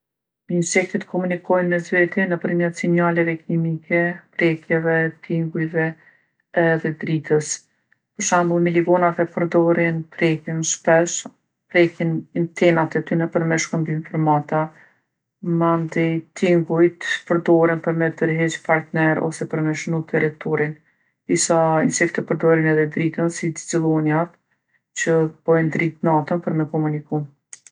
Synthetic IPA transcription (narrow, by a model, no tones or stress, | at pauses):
insɛk̚t̪it̪kʰɔmunikɔjnmɛzvɛt̪ɛnəpəɾmət̪sinalɛvɛkimikʰɛpɾɛkjɛvɛt̪iŋɡujvɛ | ɛðɛd̪ɾit̪ʰəs | pəɾʃamlˠmiliɡɔnavɛpəɾd̪ɔɾinpɾɛkinʃpɛʃ | pɾɛkinnt̪ʰɛmat̪ɛt̪ynəpəɾmɛʃkəmbimpəɾmat̪a | mand̪ɛt̪ʰiŋɡujt̪pəɾd̪ɔɾinpəɾmɛd̪əɾɦɛt͡ʃpaɾt̪nɛɾɔ̰sɛpəɾmɛʃnut̪ʰɛɾɛt̪ɔɾin | d̪̥isainsɛkt̪ɛpəɾd̪ɔɾinɛðɛd̪ɾit̪ənsid̪zilˠɔnjat̪ | t͡ɕəb̥ɔjnd̪ɾit̪nat̪ənpəɾmɛkɔmunikum